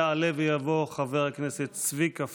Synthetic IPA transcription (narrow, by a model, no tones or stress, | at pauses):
alɛvəjavoχavɛʁaknɛsɛt͡svikaf